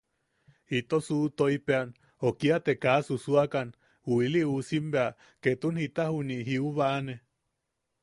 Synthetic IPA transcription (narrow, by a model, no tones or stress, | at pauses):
hit̪osuʔt̪oipean | okiat̪ekasusuakan | huiliusimbea | ket̪unhit̪ahuniɦiuβaʔːne